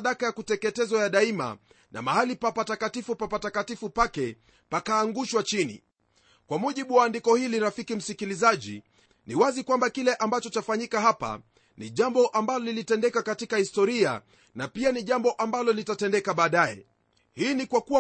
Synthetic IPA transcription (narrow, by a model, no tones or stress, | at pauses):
ɗakajakutɛkɛtɛzɔjaɗaima̰ | nʔa̰mahalipapatakatifupapatakatifupakɛ | pakaːŋɡuʃwat͡ʃinḭ | kwamuʄiɓuwaːndikɔhiliɾafikim̩sikilizaʄḭ | niwazikwambakilɛʔambat͡ʃɔt͡ʃafaɲikaɦapa̰ | niʄambɔʔambalɔlilitɛndɛkakatikahistɔɾia̰ | napianiʄambɔʔambalɔlitatɛndɛkaɓaːɗajɛ̰ | hiːnikwaku